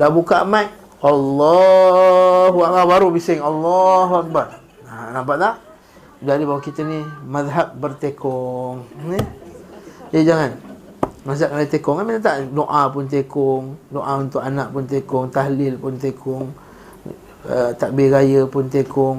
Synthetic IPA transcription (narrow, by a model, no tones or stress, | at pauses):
dabukaʔmaʔ̚ | ɑlːɔ | ɦuak̚babaɾubisɪŋɑlːɔɦuak̚bar | anabaʔlah | dadibawakit̪ənimaðɦap̚bərt̪ekʰɔŋni | d͡ʒaid͡ʒaŋan | ŋasaʔaajət̪ekɔŋanminat̪aʔdoʔapʊnt̪̬ekɔʊŋdoʔaunt̪ʊkanaʔpʊnt̪ekɔŋt̪aɦlɪlpʊnt̪ekʰʊŋ | ət̪aʔ̚beɾajəpʊnt̪ekʊŋ